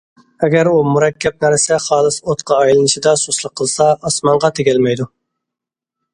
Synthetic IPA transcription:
ɛɡʲɛɾumuɾɛkʲːɛp̚nɛɾsɛχɑːlˠɨsot̪qʰɑːjlˠɨnɨʃid̪ɑsoslˠəqʰːəlˠsɑɑsmɑɴʁɑt̪ʰeɡʲɛlmɛjd̪u

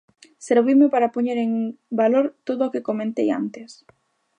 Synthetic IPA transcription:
seɾβimɪpaɾapoɲeɾeŋbaloɾt̪oðʊːkekomẽnt̪eja̰nt̪ɪs

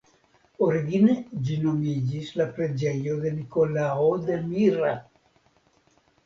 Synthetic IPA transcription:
oɾiɡined͡ʒinomid͡ʒislapɾed͡ʒejoðenikolaod̪emira

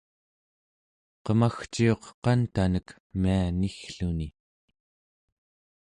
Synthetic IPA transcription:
qəmaxt͡ʃio̞qqɑnt̪anək | mianixɬuni

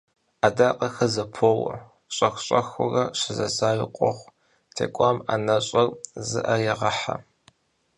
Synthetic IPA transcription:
adaːqʼɐxɐzɐpʰoːwɐ̰ | ɕʼɐxʷɕʼɐxʊrɐɕɪzɐsaːwɪqʷʼɔχʷ | tʰḛːkʷʼama̰nɐɕʼɐrzɨ̰ʔɐjɛʁɐħa̰

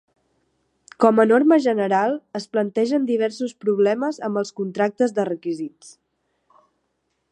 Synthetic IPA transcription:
kɔmənorməʒənəɾalˠəsplənt̪ɛʒənd̪iβ̞ɛɾsuspɾuβ̞lɛməzəmbəlˠskunt̪ɾak̚t̪əzðərəkizit͡s

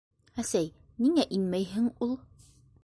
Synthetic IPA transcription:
æsæj | niŋæʔinmæjɦɘŋulˠ

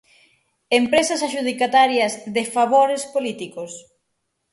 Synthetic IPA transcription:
empɾesɐsaʃuð̞ikat̪aɾjɐzðefaβoɾespolit̪ikos

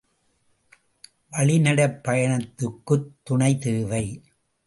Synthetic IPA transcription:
ʋɐɭɪnɐɽɐpːɐjɐɳɐt̪ːɯkːɯt̪ːʊɳɐɪt̪eːʋɐɪ

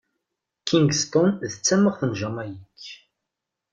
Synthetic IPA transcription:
kʰːiŋɡst̪ʊnðət͡sːæmːəʁθənʒæmæjikː

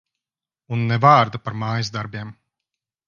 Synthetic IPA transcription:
unːɛvaːɾd̪apaɾmaːjzd̪aɾbʲiɛm

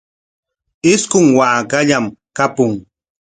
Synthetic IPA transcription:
ɪskʊŋwaːkaʎamkapʊŋ

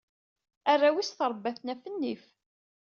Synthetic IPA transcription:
ærˤːawisθəɾˤbːæθnæfənːif

